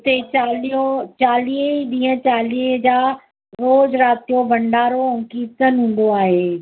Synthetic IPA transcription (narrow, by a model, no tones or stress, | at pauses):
t̪et͡ɕaːliot͡ɕaːliːɗĩːə̃t͡ɕaːliːd͡ʑaː | ɾoːd͡ʑɾaːt̪ijobʱɐ̃ɳɖaːɾoʊ̃ŋkiːt̪ənɦũːn̆d̪oaːɦeː